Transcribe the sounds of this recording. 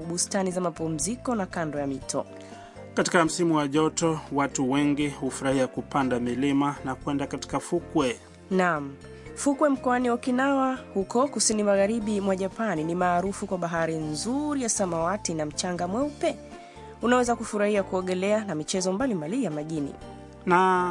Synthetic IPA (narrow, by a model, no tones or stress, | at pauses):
ɓustanizamapum̩zikɔnakandɔjamitʰɔ̰ | kati̥kam̩simuwaʄɔtɔwatuwɛŋɡihufuɾahiakupandamilimanakwɛndakati̥kafukwɛ | nam̩ | fukwɛm̩kɔaniwakinawahukɔkusinimaɣaɾiɓimwaʄapaninimaːɾufukwaɓaɦaɾinzuɾijasamawatinam̩t͡ʃaŋɡamwɛupɛ | unawɛzakufuɾahiakuɔɠɛlɛanamit͡ʃɛzɔmbalimbalijamaʄinḭ | na